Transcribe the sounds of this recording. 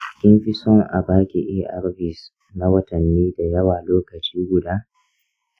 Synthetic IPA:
t͡ʃɪ̥˦kʲɪ˦mɸɪ˦sɔ˦˨ŋʔa̰˨baː˦kʲi˨ʔeː˦ʔa̰˦ɾɸɪ˨s | na˦wɐ˦tɐ˨nːiː˦da˨jɐ˦waː˨loː˦kɐ˨t͡ʃiː˦ɡʷʊ˨daː˦

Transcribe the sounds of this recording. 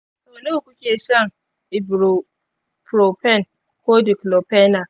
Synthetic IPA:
soː˨noː˦˨kʷʊ˦kʲeː˨sɐ˦˨ŋ | ɪ˨bɾu˨ | pɾo˨pɛ˦˨n | koː˦di˨klo˨pɛ˦na˨

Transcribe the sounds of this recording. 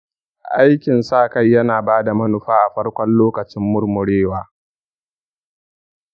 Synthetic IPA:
ʔa˦jkʲɪ˨nsaː˦˨ka˦jːɐ˦naː˨baː˦da˨mɐ˦nʊ˨ɸaː˦ʔa˨ɸɐ˦rkʷɔ˦nloː˦kɐ˨t͡ʃɪ˦mːʊ˦rmʊ˨ɽeː˦waː˦

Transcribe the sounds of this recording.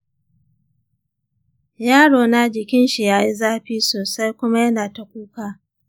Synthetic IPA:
jaː˦ɽoː˨na˦d͡ʒɪ˨kʲɪ˦nʃi˨jaː˦ji˦zaː˦ɸiː˦soː˨sa˦jkʷʊ˦ma˦jɐ˦naː˨ta˨kʷuː˦kaː˨

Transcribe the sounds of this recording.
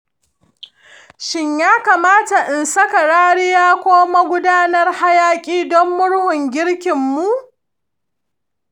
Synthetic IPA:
ʃɪ˦ɲjaː˦kaː˨maː˦ta˨ʔɪ˨nsɐ˦ka˨ɽaː˦ɽɪ˦jaː˦kʷoː˦ma˦ɡʷʊ˦daː˦nɐ˦rha˦jaː˦kʲʼiː˦dɔ˦mːʊ˦ɽhʊ˨ŋɡʲɪ˦ɽkʲɪ˨mːu˦ʔ

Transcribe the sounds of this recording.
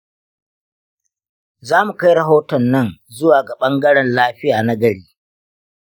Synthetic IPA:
zaː˦mu˨ka˦jɾɐ˨ɦoː˦tɔ˨nːɐ˦nzʊ˦waː˨ɡa˨ɓɐ˦ŋɡɐ˦ɽɛ˨nlaː˦ɸɪ˦jaː˨na˦ɡɐ˨ɽeː˦

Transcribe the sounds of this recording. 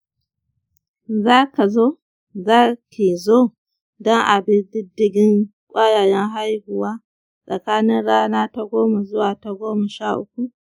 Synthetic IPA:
zaː˦ka˨zoː˦ | zaː˦ki˨zoː˦ | dɔ˦ŋʔa˨bɪ˦ndɪ˦dɪ˦ɡʲɪ˦ŋkʷʼaː˦ja˨jɛ˦ŋɦa˦jhʊ˨waː˦ | sʼɐ˨kaː˦nɪ˦nɽaː˦naː˦ta˦ɡʷoː˦ma˨zʊ˦waː˨ta˨ɡʷoː˦ma˨ʃaː˦˨ʔʊ˦kʷu˦ʔ

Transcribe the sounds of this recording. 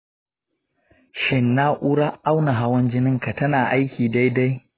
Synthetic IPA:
ʃɪ˦nːa˦ʔuː˦ɽa˦ʔa˦wna˨ɦa˦wɐ˦nd͡ʒɪ˦nɪ˦ŋka˨tɐ˦naː˨ʔa˦jkʲiː˨da˦jda˦j

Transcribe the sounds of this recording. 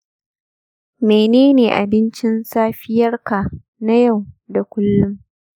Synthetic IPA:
meː˨neː˦neː˨ʔa̰˨bɪ˦nt͡ʃɪ˦nsaː˦ɸɪ˦jɐ˦rkaː˨ | na˦ja˦˨wda˨kʷʊ˦lːʊ˦m

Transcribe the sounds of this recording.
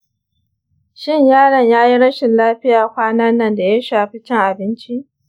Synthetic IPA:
ʃɪ˦ɲjaː˦ɽɐ˨ɲjaː˦ji˦ɽɐ˦ʃɪ˨nlaː˦ɸɪ˦jaː˨kʷaː˦nɐ˦nːɐ˦˨nda˨ja˦ʃaː˨ɸi˦t͡ʃɪ˦ŋʔa˨bɪ˦nt͡ʃi˦ʔ

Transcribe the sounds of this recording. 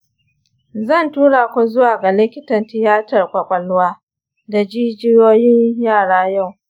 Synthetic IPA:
zɐ˦˨ntuː˦ɽaː˨kʷu˨zʊ˦waː˨ɡa˨lɪ˦kʲɪ˦tɐ˨ntɪ˨jaː˦tɐ˨rkʷʼɐ˨kʷʼɐ˨lʊ˦waː˦ | da˨d͡ʒiː˦d͡ʒɪ˦joː˦jɪ˦ɲjaː˦˨ɽaː˦ja˦˨w

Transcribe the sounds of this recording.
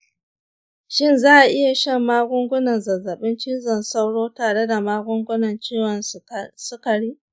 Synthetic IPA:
ʃɪ˦nzaː˦ʔa˨ʔɪ˦ja˨ʃɐ˦˨mːaː˦ɡʷʊ˦ŋɡʷʊ˦nɐ˨nzɐ˨zːɐ˨ɓɪ˦nt͡ʃi˦nzɐ˨nsa˦wɽoː˦taː˨ɽe˦da˨maː˦ɡʷʊ˦ŋɡʷʊ˦nɐ˨nt͡ʃeː˦wɐ˨nsʊ˦kɐ˨ɽiː˦

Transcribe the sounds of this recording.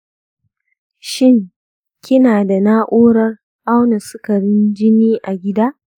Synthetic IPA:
ʃɪ˦ŋ | kʲɪ˦naː˨da˨naː˦ʔʷoː˦ɽɐ˦r | ʔa˦wna˨sʊ˦kɐ˨ɽɪ˦nd͡ʒɪ˦niː˦ʔa˨ɡʲɪ˦daː˦

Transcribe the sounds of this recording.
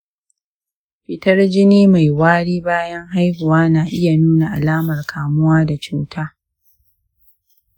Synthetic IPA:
ɸɪ˨tɐ˦rd͡ʒɪ˦niː˦ma˨jwaː˦ɽiː˦baː˦jɐ˦ŋɦa˦jhʊ˨waː˦naː˨ʔɪ˦ja˨nuː˦na˨ʔa˨laː˦mɐ˨rkʰaː˨mʊ˦waː˦da˨t͡ʃuː˦tʰaː˦

